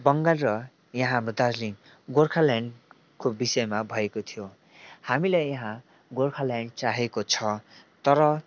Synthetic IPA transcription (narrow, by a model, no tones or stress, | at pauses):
bʌŋɡalrʌ | jʌɦãmd̪ad͡zli | ɡorkʰalaɳ | kobisʌjmabʱʌekot̪ʰijo | hamilajjʌɦã | ɡorkʰalaɳɖt͡saɦekot͡sʰʌt̪ʌɾʌ